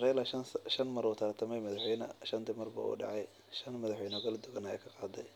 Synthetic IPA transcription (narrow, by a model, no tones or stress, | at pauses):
rɛjlɐʃɐnmɐɾuːt̪ʰɐrt̪ʰɐmɛjmɐðɑħwɛjnɐ̰ʃɐnt̪ʰɪmɐrbɐ̰ṵːɖɑ̰ʕɑj | ʃɐnmɐðɑħwɛjnɔɡɐld̪ʊɣɐnɐɛjkʰɐqɑːd̪ɐj